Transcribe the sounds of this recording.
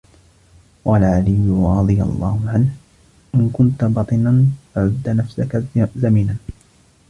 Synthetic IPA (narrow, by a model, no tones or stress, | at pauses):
walʕalɪjːʊɾˤɑd̪ˤɨja̰lˤːɑːhʊʕanh | ʔɪnkʊnt̪abɑt̪ˤɨnanfaʕʊd̪ːanafsakazamiːnan